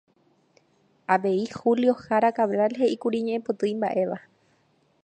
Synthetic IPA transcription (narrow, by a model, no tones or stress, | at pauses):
aʋe̞ihuljo̞haɾakaʋɾalhe̞ʔikuɾiɲẽʔepot̪ɨimbaʔe̞ʋa